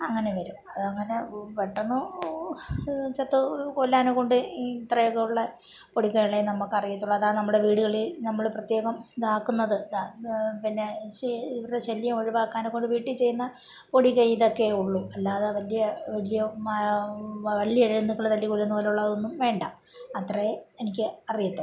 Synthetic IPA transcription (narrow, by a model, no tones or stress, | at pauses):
ɐŋːɐneʋɐɾumɐðɐŋːɐne̞peʈːɐnːu | t͡ɕɐt̪ːɨkolːaːnukːo̞ɳɖɨt̪rɐjɐɣɐuɭːɐ | poɽikːɐjiɭenɐmːukːɐrijit̪ːuɭːɐðaːnɐmːuɽe̞ʋiːɽuɣɐɭilnɐmːɐɭprɐt̪je̞ːɣɐmd̪aːkːunːɐðɨd̪apinːe̞ɕeiʋɐɾeɕɐlːjɐmoɻiʋaːkːaːnokːo̞ɳɖɨʋiːʈːit͡ɕe̞junːɐ | po̞ɽikːɐiðo̞kːe̞uɭːuɐlːaːðɐʋɐlijɐʋɐlijɐ | ʋɐlːiɐɾinːukːɐɭːɐðɐlːikolːɐnːupoːluɭːɐðo̞nːumʋe̞ːɳɖa̰m | ɐt̪rɐjeenikʲːɨɐrijɐt̪ːu